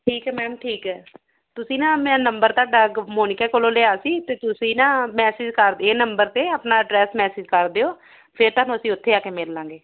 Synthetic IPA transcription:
ʈʰiːkɛːmɛːmʈʰiːkɛː | t̪ʊsĩːnãːmɛ̃ːnəmbəɾt̪aːɖəɡmoːnɪkɛːkoːloːleːaːsiːt̪eːt̪ʊsĩːnãːmɛːsɪːd͡ʒkəɾd̪eːnəmbəɾt̪eːəpnaːɖɾɛːsmɛːsɪːd͡ʒkəɾd̪eːoː | pʰɪɾt̪aːnũːəsĩːʊt̪ʰːeːaːkeːmeɾlãːŋɡeː

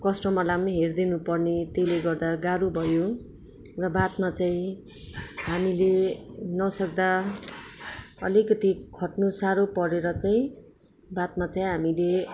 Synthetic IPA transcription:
kʌsʈʌmalamniɦerd̪inupʌrnet̪ejleɡʌrd̪aɡaɾubʱʌjo | rʌbat̪mat͡saĩ | ɦamilenʌsʌk̚d̪a | ʌ̰likʌt̪ikʰʌʈnusaɾopʌɾeɾʌt͡saĩ | bat̪mat͡saĩɦamile

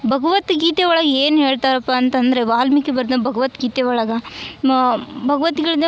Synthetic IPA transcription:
bʱɐɡɐʋɐt̪ɡiːt̪eʋɐɭɐɡɐeːnɦeːɭt̪aːɾɐpːaːnt̪ɐnd̪ɐɾeʋaːlmikːebɐɾd̪ɐbʱɐɡɐʋɐt̪ɡiːt̪eʋɐɭɐɡɐ | bʱɐɡɐʋɐt̪iɡɐɭid̪e

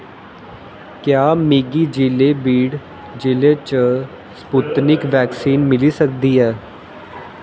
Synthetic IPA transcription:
kjaːmiːɡiːd͡ʒileːbiːɽ | d͡ʒɪleːt͡ʃə | sput̪nɪkʋɛːksiːnmɪliːsək̚d̪iːɦɛː

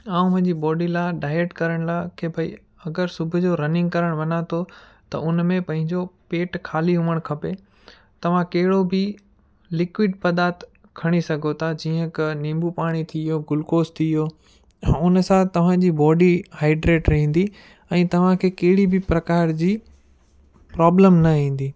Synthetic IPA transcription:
ãːũmɐ̃ɦɲd͡ʑiːbɔːɖilãːɖaːɪeʈkɐɾəɽ̃lakʰebʱɐḭ | ɐɡəɾsʊbʱʊ̆d͡ʑoɾɐnɪ̃ŋɡkɐɾəɽ̃ʋɐnãt̪ʰo | t̪ɐ̰ʊnmẽpɐ̃ɦɪ̃ɲd͡ʑopeːʈkʰaːliɦʊməɽ̃kʰɐpe | t̪ɐʋ̤ãkɐɦɪɽobʱɪ | lɪkʋɪɖpɐd̪aːt̪ | kʰɐɽ̃isɐɡʱot̪ʰad͡ʑiːə̃knĩːmbupaːɽ̃it̪ʰijoːɡʊlkoːst̪ʰijoː | ʊnsãt̪ɐʋ̤ãd͡ʑiːbɔːɖihaːɪɖɾeːʈɾɐɦĩːn̆d̪i | ɛ̃ːt̪ɐʋ̤ãkʰeːkɐɦɪɽibʱɪpɾɐkaːɾd͡ʑiː | pɾɔːbləmnɐɦĩːn̆d̪iː

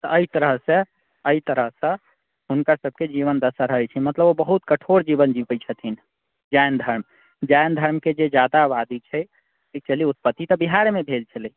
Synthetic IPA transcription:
t̪ɔʔəit̪əɾəɦsẽ | əit̪əɾəɦsə̃ | ɦunkasəb̚ʱked͡ʒiβənd̪əsaɾəɦɛt͡ʃʰɛmət̪ləbobəɦut̪kəʈʰoɾd͡ʒibənd͡ʒipət͡ʃʰət̪ʰin | d͡ʒajnd̪ʱəɾm | d͡ʒajnd̪ʱəɾmked͡ʒed͡ʒad̪abad̪it͡ʃʰɛ | ʈʰik̚t͡ʃəliut̪̚pət̪ːit̪ɔbiɦaɾmebʱelt͡ʃʰəli

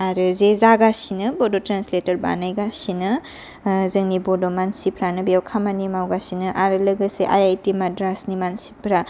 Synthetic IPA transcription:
aɾɯzezaɡasinɯbodotɾansletɐɾba̰najɡasinɯ | zɯŋnibodomansipʰɾanɯbijawkʰamanimawɡasinɯʔaɾɯlɯɡɯseʔajajtimadɾasnimansi̥pʰɾa

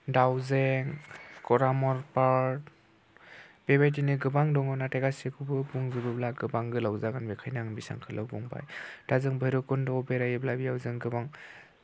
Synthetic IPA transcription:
dawzeŋkɔɾamɔɾpaɾ | b̥ebajt̬inɯɡɯbaŋdɔŋɔnateɡasekʰubɯbuŋzɯbɯblaɡɯbaŋɡɯlawzaɡanbekʰajnaŋbisa̰ŋkʰɯlʔɯwbɔŋba̰jtazɯŋbajɾɯkɔndɔbeɾajɯblabijawzeŋɡɯbaŋ

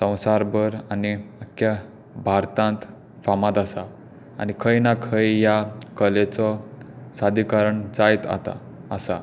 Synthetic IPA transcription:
sə̃w̃saɾbəɾaniəkja | bʱaɾt̪ãnt̪ | famãt̪asa̰ː | nikʰəjnakʰəjjakəlet͡sɔsad̪ʱikəɾəɳd͡zajt̪a̰t̪a̰ː | sa̰

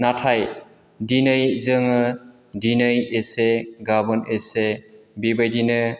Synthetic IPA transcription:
natʰaj | dinɯjzɯŋɯ | dinɯjeseɡabɔnesebibajdinɯ

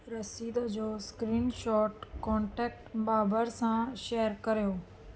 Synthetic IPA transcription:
ɾɐsiːd̪əd͡ʑoːskɾiːnʃɔːʈkɔ̃ːɳʈɛːk̚ʈbaːbəɾsãʃeːəɾkɐɾijoː

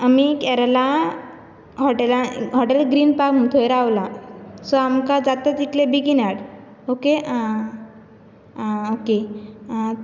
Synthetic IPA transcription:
amikɛɾala | ɦɔʈelaɦɔʈelɡɾiːnpakmunt̪ʰɔjɾaʋlasɔamkad͡zat̪at̪iklebiɡinaɽ | okea | oke

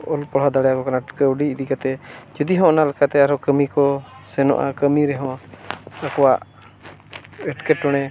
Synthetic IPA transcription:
ɔlpɔɽ̤ad̪aɽɛjakɔkanakəuɖiid̪ikat̪ɛd͡ʒud̪iɦɔ̃ɔnalɛkat̪ɛaɾɔkəmikɔsɛnɔ̰ʔa̰kəmiɾɛɦɔ̃ | akɔwaʔ | ɛʈkɛʈɔɽ̃ɛ

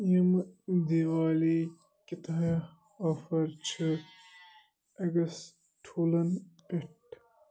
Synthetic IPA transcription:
jimd̪iwaːli | kit̪ɐ | ɐfɐɾt͡ʃʰɨ | ɐɡɐs | ʈʰuːlɐnpeʈ

